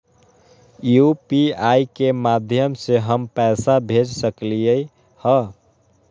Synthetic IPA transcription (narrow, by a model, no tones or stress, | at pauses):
jupiajkemad̪ʱjəmseɦəmpɛsabʱed͡ʒsəklijəj | hə